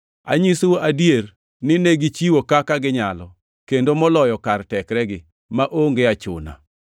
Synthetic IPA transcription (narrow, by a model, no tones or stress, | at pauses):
a̰ɲisoadjer | nɪneɡit͡ʃiwokakaɡɪɲalɔ | kendomɔlɔjɔkartɛkɾɛɡɪ | maʔoŋɡeat͡ʃʊ̰na̰